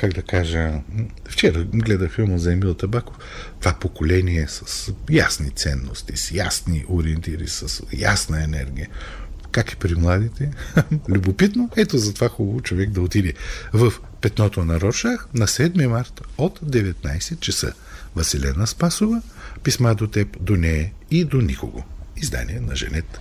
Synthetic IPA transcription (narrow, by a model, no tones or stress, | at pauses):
kaɡd̪ɐkaʒə | ft͡ʃɛɾəɡlɛd̪əfilˠmozɐɛmilˠt̪ɐbakof | t̪ovapokolɛniɛsɐ̥sja̰snit̪sɛnːost̪isjasniʔoɾiɛnt̪iɾḭsɐsja̰snəɛnɛ̰ɾɡijəkakɛ̥pɾimlˠad̪it̪ɛlʲubopit̪noɛt̪ozɐt̪ovaxubəvot͡ʃovɛɡ̚d̪ɐot̪id̪ɛvəf | pɛt̪nɔt̪onɐɾɔʃaxnɐsɛd̪mimaɾt̪ot̪d̪ɛvɛt̪najsɛt̪̚t͡ʃɐsə̰ | vɐsɛlɛnəspasʊvə | pismad̪ot̪ɛpd̪onɛid̪oniko̰ɡo̰izd̪a̰niɛnɐʒɛ̰nɛt̪